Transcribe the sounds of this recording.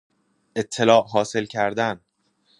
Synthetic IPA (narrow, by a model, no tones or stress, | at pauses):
ʔe̞t̪ʰːe̞lɒːʔɦɒːse̞lcʰæɾd̪æn